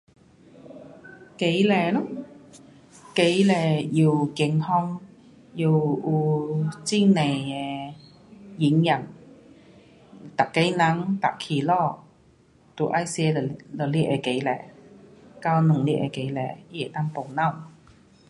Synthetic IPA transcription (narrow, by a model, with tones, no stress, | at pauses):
ke˨˥jlɛː˧˩lɔ˦˥ | ke˨˥jlɛː˧jiː˧wkɪ˨˧ŋhɔː˥ŋ | ji˧wuː˧t͡siː˥ne˨˩jɛ˨˧ | ji˨˥ŋjɐ˨˩n | t̪a˨kːe˨˥jna˨˥ŋt̪a̰˨kʰːiː˨lɔː˥˩ | t̪u˨˧ʔa˦˥jsi˧ɛ˧˨lɔ˨liː˥ʔɛ˨˧ke˨˥jlɛ̰ː˧˩ | kaː˥wnʊ˨˩ŋliː˦˥ʔɛ̰˧ke˨˥jlɛː˨˧˥jɛ˨˩t̪aː˥npo˨wna˥˩w